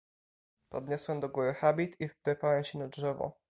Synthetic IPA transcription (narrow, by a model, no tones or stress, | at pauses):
pɔd̪ɲɔswɛmd̪ɔɡuɾɘxabʲit̪ʰivtɛpawɛmɕɛnadʐɛvɔ̰